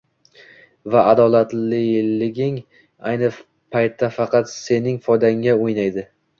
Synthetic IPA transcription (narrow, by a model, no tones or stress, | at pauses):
vaʔad̪ɒlˠat̪lɪlɪɡʲɪŋ | ajnɪ | pʰajt̪ʰːafɑqɑt̪se̞nɪŋfɒjd̪aŋːaojnajd̪ɪ